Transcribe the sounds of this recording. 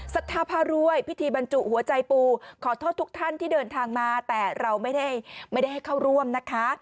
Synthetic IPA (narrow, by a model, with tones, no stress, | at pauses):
sa˨˩t̪ʰːaː˧pʰaː˧ɾu˧əjpʰi˦˥t̪ʰiː˧ba˧nt͡ɕu˨˩ʔhu˩˦ɐt͡ɕa˧jpuː˧kʰɔː˩˦t̪ʰo˥˩t̪ːʰu˦˥k̚t̪ʰa˥˩nt̪ʰiː˥˩dɤː˧nt̪ʰaː˧ŋmaː˧t̪ɛː˨˩ɾa˧wma˥˩jda˥˩jma˥˩da˥˩jɦa˥˩jkʰa˥˩wɾu˥˩əmna˦˥kʰːa˦˥